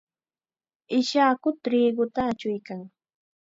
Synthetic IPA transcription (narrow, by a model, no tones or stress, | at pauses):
ɪʃaːkʊt̪ɾiːɢʊt̪aːt͡ʃʊjkaŋ